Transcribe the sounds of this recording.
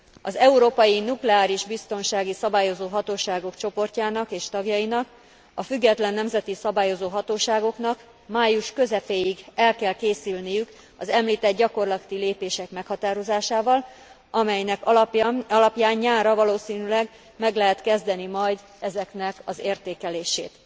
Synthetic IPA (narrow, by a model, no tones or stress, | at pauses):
ɒzɛuɾoːpɒjinuklɛaːɾiʒbist̪o̞nʃaːɡisɒbaːjo̞zoːɦɒt̪oːʃaːɡo̞kt͡ʃo̞po̞rcaːnɒkeːʃt̪ɒɡjɒinɒk | ɒfyɡːɛt̪lɛnːɛmzɛt̪isɒbaːjo̞zoːɦɒt̪oːʃaːɡo̞kn̪ɒk | maːjuʃkø̞zɛpeːjiɡɛlkɛlkeːsylnijyk | ɒzɛmliːt̪ɛd̪ɟɒko̞rlɒt̪ileːpeːʃɛkmɛkhɒt̪aːɾo̞zaːʃaːvɒl | ʔɒmɛjnɛkɒlɒpjaːɲɲaːrɒvɒloːsiːnylɛɡ | mɛɡlɛɦɛt̪kɛzd̪ɛnimɒjd̪ | ɛzɛknɛkɒzeːrt̪eːkɛleːʃḛːt̪